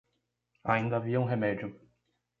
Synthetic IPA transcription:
aĩnd̪ɐaviɐũɦemɛd͡ʒʊ

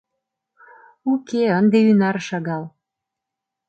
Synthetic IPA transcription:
ukeənd̪eynɑɾʃɑɣɑl

